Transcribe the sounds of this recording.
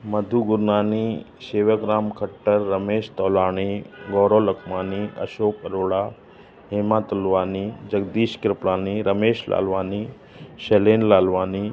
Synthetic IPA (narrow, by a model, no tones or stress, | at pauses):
mɐd̪ʱuɡʊɾnaːni | ʃeːʋəɡɾaːmkʰəʈːəɾːɐmeːʃt̪ɔːlaːɽ̃iɡɔːɾolɐkʰmaːniɐ̰ʃoːkəɾoːɽa | ɦemaːt̪ɐlʋaːnid͡ʒəɡd̪iːʃkɾɪpɽaːniɾəmeːʃla̰lʋaːni | ʃeleːnlaːlʋaːniː